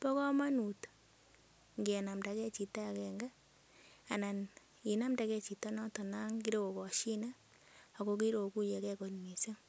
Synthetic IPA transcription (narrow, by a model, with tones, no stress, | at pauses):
pɔ˦kɔ˦ma˦nu˨t | ŋɡi˨a˨na˨mda˨kɛ˦t͡ʃi˨ta˦kɛ˨ŋɡa˦ | a˨na˨n | i˨na˦mda˨kɛ˦t͡ʃi˨ta˦nɔ˦tɔ˨na˦ŋki˦ɾe˦ko˨kɔ˨ʃi˦na˦ | a˨ko˦ki˦ɾo˨ku˦je˨kɛ˦ko˨nmi˨sa˦